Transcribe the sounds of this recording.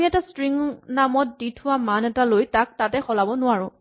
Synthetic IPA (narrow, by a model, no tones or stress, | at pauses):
miɛtastɹiŋnamɔt̚ditʰʊwamanɛtalojtak̚tatɛxɔlabɔnʊaɹʊ̃